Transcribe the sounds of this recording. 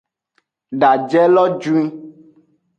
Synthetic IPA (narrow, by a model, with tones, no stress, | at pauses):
ɖa˨d͡ʒɛ˦lɔ˦d͡ʒu˦ĩ˦